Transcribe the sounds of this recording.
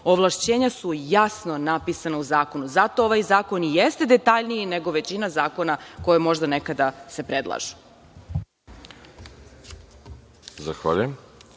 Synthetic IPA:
oʋlˠaʃt͡ɕeːɲasujasno̞napisanauzaːko̞nuzat̪o̞oʋajzaːko̞nijest̪e̞d̪et̪aʎnijine̞ɡoʋe̞t͡ɕinazaːko̞nako̞jemo̞ʒd̪anekad̪ase̞pɾed̪lˠa̰ʒu̥ | zaxʋa̰ʎujem

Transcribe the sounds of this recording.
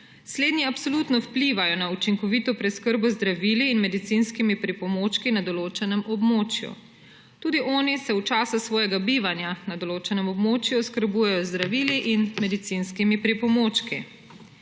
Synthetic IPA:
sleːd̪nʲiapsolut̪nɔwpliʋajɔnaut͡ʃiŋkɔʋit̪ɔpɾɛskəɾbɔzd̪ɾaʋiliːnmɛd̪it̪sinskimipɾipɔmoːt͡ʃkinad̪ɔloːt͡ʃɛnɛmʔɔbmoːt͡ʃjṵ | t̪uːd̪iʔɔːnisɛut͡ʃaːsasʋɔːjɛɡabiːʋanjanad̪ɔloːt͡ʃɛnɛmɔbmoːt͡ʃjuɔskəɾbujɛjɔzd̪ɾaʋiːliʔinmɛd̪it̪sinskimipɾipɔmoːt͡ʃkḭ

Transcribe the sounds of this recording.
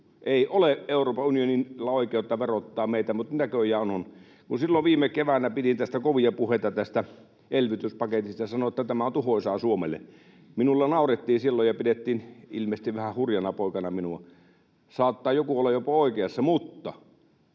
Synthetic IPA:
ʔeˑiʔoleʔeˑuroːpɑʔunioninlːɑoˑikeˑot̪ːɑʋerot̪ːɑːmeˑit̪æmut̪nækøjæonon | kunsilːoʋʋiːmekeʋænæpitint̪æst̪ækoʋiɑpuheˑt̪ɑt̪æst̪æ | ʔelʋit̪yspɑket̪ist̪ɑjsɑnoet̪ːæt̪æmæont̪uhoisɑːsuomelːˑḛ | minulːɑnɑˑuret̪ːiːnsilːojjɑpidet̪ːiːnḭlmest̪iʋʋæhæhurjɑnɑpoˑikɑnɑminuɑ | sɑːt̪ːɑːjokuolːɑjopɑoˑikeɑsːɑmut̪ːɑ

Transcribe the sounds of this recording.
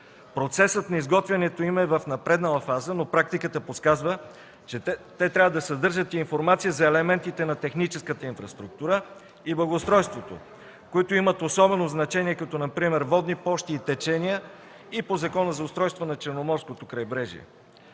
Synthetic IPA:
pɾot̪sɛsət̪nɐizɡɔt̪vʲɐnɛt̪oimɛvɐfnɐpɾɛd̪nəlˠɐfazənopɾak̚t̪ikət̪əposkazvə | ɛt̪ɛt̪ɾʲavəd̪ɐsɐd̪ɤɾʒət̪iːnfoɾmat̪sijəzɐɛlɛmɛnt̪it̪ɛnɐt̪ɛxnit͡ʃɛskət̪əinfɾɐst̪ɾuk̚t̪uɾə | iblˠɐɡoʊst̪ɾɔjst̪vot̪o̰ | koit̪oimət̪osɔbɛnoznɐt͡ʃɛniɛkɐt̪ɔnɐpɾimɛɾvɔd̪nipɔʃt̪iːt̪ɛt͡ʃɛnijə | ipozɐkɔnəzɐʊst̪ɾɔjst̪vonɐt͡ʃɛɾnomɔɾskot̪okɾɐjbɾɛʒḭɛ̰

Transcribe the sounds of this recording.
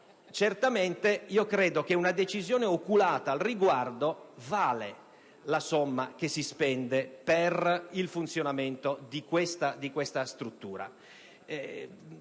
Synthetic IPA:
t͡ʃert̪amɛnt̪eiokɾɛːd̪okeunad̪et͡ʃizjɔːneokulaːt̪aːlriɡward̪ovaːle | lasɔmːakesːispɛnd̪eperilfunt̪sjonamɛnt̪od̪ikwɛst̪ad̪ikwɛst̪ast̪ɾut̪ːuːɾa̰ | ɛ

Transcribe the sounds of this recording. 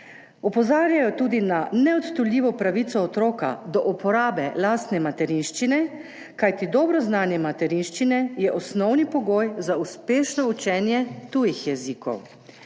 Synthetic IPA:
ɔpɔzaːɾjajɔt̪uːd̪inanɛɔt̪t̪ɔljiːʋɔpɾaʋit̪sɔːt̪ɾoːka̰d̪ɔʔupɔɾaːbɛlaːst̪nɛmat̪ɛɾinʃt͡ʃinɛ | kajt̪id̪ɔːbɾɔznaːnjɛmat̪ɛɾinʃt͡ʃinɛjɛʔɔsnɔwnipɔɡoːjzauspeːʃnɔut͡ʃɛːnjɛt̪uːjixjɛziːkɔ̰w

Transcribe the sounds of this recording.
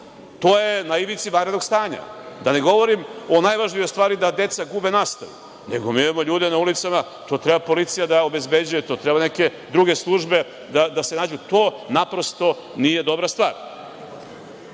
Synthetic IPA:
t̪oːjenaiʋit̪siʋanɾed̪noɡst̪aːɲa̰d̪ane̞ɡo̞ʋo̞ɾimo̞najʋaʒnijojst̪vaːɾid̪ad̪e̞t̪saɡube̞nast̪ajḭ | nḛɡomiiamoʎuːd̪enaulit̪sama | t̪o̞ːt̪ɾe̞bapo̞lit̪sijad̪ao̞be̞zbe̞d͡ʑujet̪o̞ːt̪ɾebaneke̞ | d̪ɾuɡe̞slˠuʒbe̞ | d̪ad̪asenaːd͡ʑut̪o̞ːnapɾo̞st̪o̞ | nije̞d̪o̞bɾast̪ʋaːɾ

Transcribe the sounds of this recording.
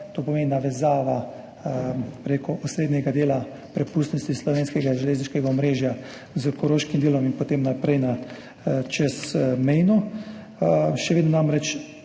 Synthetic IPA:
t̪oːpɔmeːninaʋɛzaːʋa | pɾekɔʔɔsɾeːd̪nʲɛɡad̪eːla | pɾɛpuːst̪nɔst̪islɔʋeːnskɛɡaʒɛleːzniʃkɛɡaɔmɾeːʒja | zəkɔɾoːʃkimd̪eːlɔminpot̪emnapɾɛjna | t͡ʃɛsmɛjnɔ | ʃɛʋeːd̪nɔnamɾɛt͡ʃ

